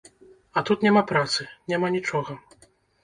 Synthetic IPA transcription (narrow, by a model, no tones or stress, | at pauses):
ɐt̪ut̪nʲamapɾat̪sɨnʲamanʲit͡ʂɔɣɐ